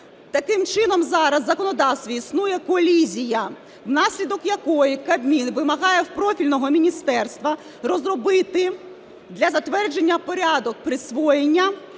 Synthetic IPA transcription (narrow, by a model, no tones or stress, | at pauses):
t̪ɐkɪmt͡ʃɪnɔmzɑɾɐzːɐkɔnɔd̪ɑwst̪ʋɔisnujɛkɔlʲizʲijɐ | wnɑsʲlʲid̪ɔkjɐkɔjikɐbʲmʲinʋɪmɐɦɑjɛwpɾɔfʲilʲnɔɦɔmʲinʲist̪ɛrst̪ʋɐ | rɔzrɔbɪt̪ɪ | d̪lʲɐzɐt̪ʋɛrd͡ʒe̞nʲːɐpɔɾʲɑd̪ɔk̚pɾɪsʋɔjenʲːɐ